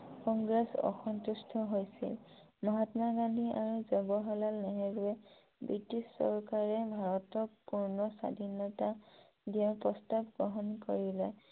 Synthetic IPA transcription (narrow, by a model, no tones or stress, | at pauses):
kɔŋɡɹɛsɔ̰xɔntustʰɔɦojsḭl | mɔɦatmaɡandʱiaɹuzɔbɔɦɔlalnɛɦɛɡwɛ | bɹitissːɔ̰ɹkaɹɛbʱaɹɔtɔpuɹnɔsa̰dʱinɔta | dianpɹɔstabɡɹɔɦɔnko̰ɹilɛ